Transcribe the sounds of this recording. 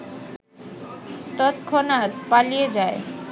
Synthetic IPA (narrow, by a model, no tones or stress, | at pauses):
t̪ɔt̪kʰonat̪palijed͡ʑae